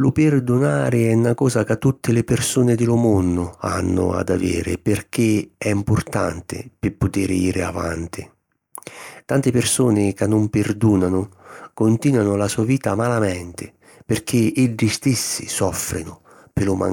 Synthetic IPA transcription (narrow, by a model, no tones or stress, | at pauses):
lʊpɪrd̪ʊnaːɾɪɛnːakɔːzakat̪ːut̪ʰːɪlɪpɪrsuːnɪd̪ɪlʊmonːʊa̰nːʊ̰a̰d̪a̰vḛːɾɪ̰pɪrk̟ɪɛimpʊrt̪a̰nt̪ɪ̰pɪpːʊt̪iːɾɪiːɾɪa̰va̰nt̪ʰɪ | t̪ant̪ɪpɪrsuːnɪkanːʊmpɪrd̪uːnanʊkʊnt̪iːnwanʊlasuːaviːt̪amalamɛnt̪ɪ | pɪrk̟ʰɪeɖːist̪ɪsːisɔfɾɪ̰nʊ | pɪlʊma̰